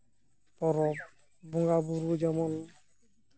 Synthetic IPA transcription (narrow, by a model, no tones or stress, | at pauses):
pɔɾɔp | bɔŋɡabuɾud͡ʒɛmɔn